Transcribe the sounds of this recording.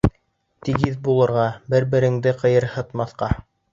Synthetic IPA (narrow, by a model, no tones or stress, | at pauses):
t̪iɡiðbulˠɤ̆ɾʁɑbɘɾbɘ̆ɾɘ̆ŋd̪ɘqɤ̆jɤɾhɤ̆t̪mɑθqɑ